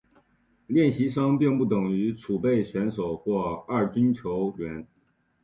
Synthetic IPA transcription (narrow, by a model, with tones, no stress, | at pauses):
ljɛ˥˩nɕi˧˥ʂ̬ɑ˥ŋpi˥˧ŋpu˥˩t̪ɤ˨˩ŋy˧˥ʈ͡ʂʰu˨˩pe˥˩ɪɕɥɛ˧˥nʂo˨˩ʊxwɔ˥˧ɐ˞˥˩t͡ɕi˥nt͡ɕʰjo˧˥ʊɥɛ˧˥n